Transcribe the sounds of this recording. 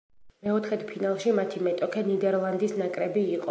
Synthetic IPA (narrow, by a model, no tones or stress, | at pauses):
mɛɔt̪ʰχɛt̪pʰinalˠʃimat̪ʰimɛt̪ʼɔkʰɛnid̪ɛɾlˠand̪isnakʼɾɛbiːqʼɔ